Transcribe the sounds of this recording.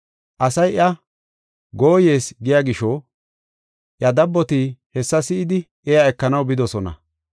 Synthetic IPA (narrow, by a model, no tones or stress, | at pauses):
ʔɐsɐjʔɐ | ɡo̞ːje̞ːsɡɪjaɡɪʃɔ | ʔjɐd̪ɐbːɔt̪ihɛsːɐsɪʔɪd̪ɪʔɛjaɛkːɐnɐwbɪd̪ɔsɔnɐ̰